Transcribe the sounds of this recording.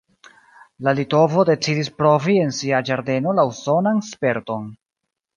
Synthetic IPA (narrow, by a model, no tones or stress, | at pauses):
lalito̞vo̞de̞t͡sidispɾo̞vie̞nsiad͡ʒaɾde̞no̞lauso̞nanspe̞ɾto̞n